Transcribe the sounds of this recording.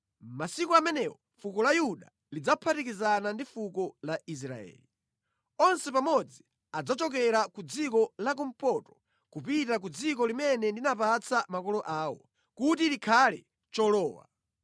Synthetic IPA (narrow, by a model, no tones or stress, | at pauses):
masikɔamɛnɛwɔ | fukɔlajuɗa̰ | lid͡zapʰatikizanandifukɔlais̬ɾa̰ɛ̰ːli | ɔnsɛpamɔd͡zi | ad͡zat͡ʃɔk̬ɛɾakud͡zikɔlak̬um̩pɔtɔ̥ | kupitak̬ud͡zik̬ɔlimɛnɛndinapat͡sʰamakɔlɔʔaːwɔ̰ | kut̬ilikʰalɛ̰ | t͡ʃɔlɔːwa̰